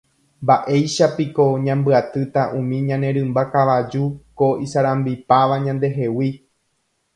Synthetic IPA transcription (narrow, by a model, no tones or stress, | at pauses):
mbaʔe̞jʃapiko̞ɲãmbɨat̪ɨt̪aʔũmĩɲãnẽ̞ɾɨ̃mbakaʋad͡ʒuko̞isaɾãmbipaʋaɲãnd̪e̞ɦe̞wi